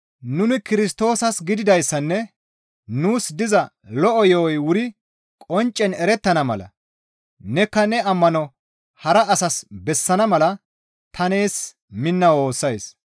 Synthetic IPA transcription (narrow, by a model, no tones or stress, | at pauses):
nʊnɪkɪɾɪst̪o̞ːsɐsɡɪd̪ɪd̪ɐjsːɐnːɛ | nuːsd̪ɪzɐ | lɔʔɔjɔɔjwʊɾɪ | kʼɔnt͡ʃʼːɛnɛɾɛt̪ːɐnɐmɐ̰lɐ̰ | nɛkːɐnɛɐmːɐnɔ | hɐɾɐːsɐsbɛsːɐnɐmɐlɐ | t̪ʰɐne̞ːs | mɪnːɐwo̞ːsːɐjs